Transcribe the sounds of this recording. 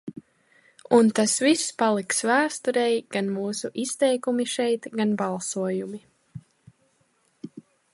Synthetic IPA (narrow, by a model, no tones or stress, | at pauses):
unt̪asvisːpalˠiksvæːst̪uɾɛjɡ̥anmuːsuʔist̪ɛjkumiʃɛjt̪ɡanbɑlˠsuɔjumi